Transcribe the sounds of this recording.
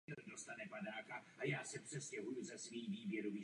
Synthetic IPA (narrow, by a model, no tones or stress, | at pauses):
ɛldo̞st̪anɛpadaːkaʔajaːsɛpr̥ɛscɛɦujuzɛsviːviːbjɛɾoviː